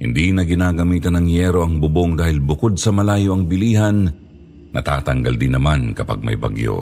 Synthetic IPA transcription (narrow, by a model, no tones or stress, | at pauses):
hɪ̰nd̪inɐɡɪnaːɡɐmiːt̪ɐnɐŋjɛɾo̞ʔɐŋbʊboŋd̪aːhɪlbʊko̞d̪̚sɐmɐlaːjo̞ʔɐŋbɪliːɦɐnː | ɐ̰t̪a̰ːt̪ɐŋɡɐld̪ɪnːɐmankɐpa̰ɡ̚mɐ̰jbɐ̰ɡjo̰